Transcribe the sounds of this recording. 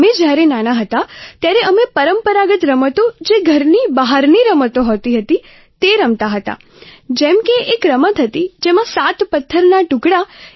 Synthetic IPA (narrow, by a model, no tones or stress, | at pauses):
med͡ʒjaɾenanaɦət̪at̪jaɾeʔəmepəɾəmpəɾaɡət̪ɾəmət̪od͡ʒeɡʱəɾnibəɦaɾniɾəmət̪oɦot̪iɦət̪i | t̪eɾəmt̪aɦət̪a̰ | d͡ʒɛmkeekɾəmət̪ɦət̪id͡ʒemãsat̪pət̪ʰːəɾnaʈʊkɽa